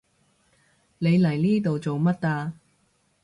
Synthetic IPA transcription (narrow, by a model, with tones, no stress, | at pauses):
le˨˧jlɐ˨˩jniː˥t̪̬o˨wt͡so˨wmɐ˥t̚t̪aː˧